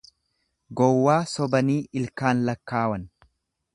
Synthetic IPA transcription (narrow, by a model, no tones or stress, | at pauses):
ɡɔwːaːsɔbɐniːɪlkaːnlɐkːaːwɐn